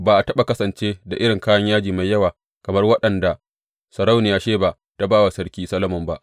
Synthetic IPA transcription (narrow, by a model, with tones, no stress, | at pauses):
baː˨ʔa˨tɐ˦ɓa˨kɐ˦sɐ˨nt͡ʃeː˦da̰˨ʔɪ˦ɽɪ˨ŋkaː˦jɐ˦ɲjaː˦d͡ʒiː˨ma˨jːɐ˦waː˨ | kɐ˨mɐ˦rwɐ˦ɗɐ˨nda˨ | sɐ˨ɾa˦wnɪ˨jaː˦ʃeː˦ba˨ʔ | ta˦baː˦wa˨sɐ˦ɽkʲiː˦sɐ˦lɐ˦mʊ˨mba˦ʔ